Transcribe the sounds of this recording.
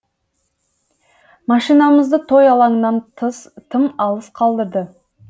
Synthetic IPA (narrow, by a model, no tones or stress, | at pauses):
mɑʃijnɑməzd̪ət̪ʰo̞jɑlˠɑɴənɑnt̪ʰəst̪ʰəmɑlˠəsqʰɑlˠd̪əɾd̪ə